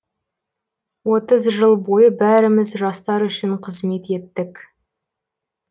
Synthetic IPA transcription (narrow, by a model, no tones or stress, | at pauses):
wo̞t̪əzʒəlˠbo̞jəbæɾɪmɪzʒɑst̪ɑɾʏʃɪɴqʰəzme̞t̪e̞t̪ːɪk